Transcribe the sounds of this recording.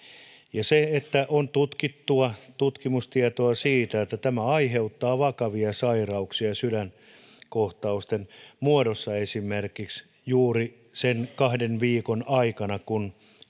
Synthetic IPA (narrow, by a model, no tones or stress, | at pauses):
jɑseet̪ːæʔont̪ut̪kit̪ːuɑt̪ut̪kimust̪iɑt̪oɑsiːt̪æet̪ːæt̪æmæɑiɦeut̪ːɑːʋɑkɑʋiɑsɑirɑuksiɑsyɾæn | koht̪ɑust̪enmuodosːɑesimerkiks | juːri | senkɑhdenʋiːkonɑikɑnɑkun